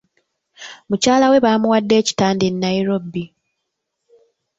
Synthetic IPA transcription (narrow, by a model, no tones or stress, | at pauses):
mucaːlawe̞βaːmuwadːe̞ːci̥taːndenːaiɾo̞bi